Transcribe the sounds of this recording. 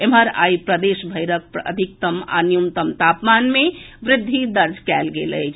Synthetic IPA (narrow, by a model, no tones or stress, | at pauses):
emɦəɾa̰ːipɾəd̪eːʃbʱəjɾək̚pə̰d̪ʱik̚t̪əma̰nijumt̪əmt̪apmanmẽʋɾɪd̪ʱːid̪əɾd͡ʒʱkɛːlɡḛlə̰t͡ʃʰ